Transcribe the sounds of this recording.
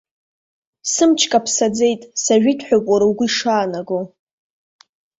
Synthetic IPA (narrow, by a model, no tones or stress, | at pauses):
sɨmt͡ʃʰkʼapʰsad͡ze̞jtʼsaʒᶣitʰħʷᶣopʼwaɾawɡʷʊiʂaːnaɡo